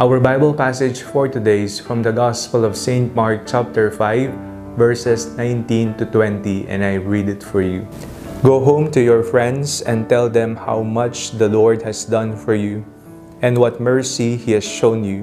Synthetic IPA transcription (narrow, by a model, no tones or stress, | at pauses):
ʔawəɹbajbəlpæsɪd͡ʒfɔɹt̪ɨd̪eɪsfɹɔ̃md̪ɐɡɑspəlɔvsẽɪ̃nt̪̚maɹk̚t͡ʃap̚t̪ɛɹfaɪvː | ɛɹsɛsnãj̃nt̪ĩnt̪ut̪wɛ̃nt̪iʔɛ̰̃najɹid̪ɪt̪fɔɹju | ɡoɦõʊ̃mt̪ujɔɹfɹɛ̃nd̪sɛ̃nt̪ɛld̪ɛ̃mha̰wmʌt͡ʃd̪ɐlɔɹd̪̚hɛsd̪ʌ̃nfɔɹju | ʔɛ̃nd̪wʌt̪̚mɛɹsihihɛsʃõʊ̃nju